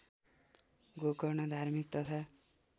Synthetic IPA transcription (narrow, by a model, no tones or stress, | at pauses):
ɡokɔɾnʌd̪ʱaɾmik̚t̪ʌt̪ʰa